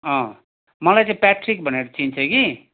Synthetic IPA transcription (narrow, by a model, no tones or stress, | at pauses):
ʌ̃ | mʌlajt͡sĩpaʈrik̚bʱʌneɾʌt͡sint͡sʰʌki